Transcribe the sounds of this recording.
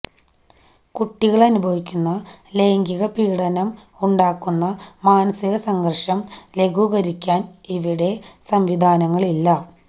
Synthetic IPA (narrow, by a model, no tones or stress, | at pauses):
kuʈːiɣɐɭɐnubʱɐʋikʲːunːɐle̞ːŋɡiɣɐpiːɽɐnɐm | uɳɖaːkːunːɐmaːnɐsiɣɐsɐŋɡɐrʂɐmle̞ɡuːɣɐɾikʲːaːniʋiɽe̞sɐmʋid̪ʱaːnɐŋːɐɭilːɐ